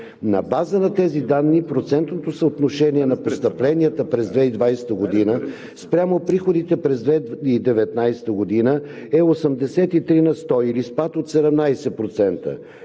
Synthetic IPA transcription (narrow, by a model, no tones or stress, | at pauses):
nɐ̰bazənɐt̪ɛzid̪anːipɾot̪sɛnt̪not̪osəot̪noʃɛniɛnɐpost̪əplɛniət̪əpɾɛzd̪vɛid̪vajsɛ̥t̪əɡod̪inə | spɾʲamopɾixod̪it̪ɛpɾɛzd̪vɛid̪ɛvɛt̪najsɛ̥t̪əɡod̪inə | ɛosəmd̪ɛsɛt̪it̪ɾinɐst̪ɔilispat̪ot̪sɛd̪ɛmnajsɛpɾot̪sɛnt̪ə̰